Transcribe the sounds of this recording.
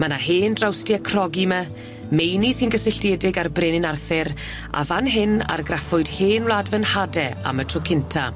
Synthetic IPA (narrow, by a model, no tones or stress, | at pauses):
manaɦeːndrawstiakʰrɔɡimɛ | mejnisɪnɡəsɪɬdjɛdɪɡarbreːnɪnarθɪɾ | a̰vanɦɪna̰rɡrafʊɨd̥heːnwlˠadvənhadɛa̰mətʰrɔkʰɪntʰa